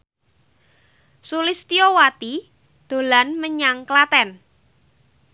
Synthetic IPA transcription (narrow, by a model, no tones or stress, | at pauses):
sulɪst̪iowat̪i | d̪̥o̤lanməɲaŋklat̪ɛn